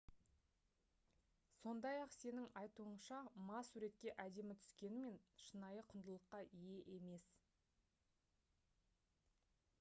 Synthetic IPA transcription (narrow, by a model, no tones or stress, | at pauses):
so̞nd̪ɑjɑqse̞nɪŋɑjt̪uəɴʃɑmɑsuɾe̞t̪̚kʲe̞ʔæd̪e̞mɪt̪ʰʏ̥skʲe̞nɪme̞nʃənɑjəqʰʊnd̪əlˠəqːɑʔije̞ʔe̞me̞s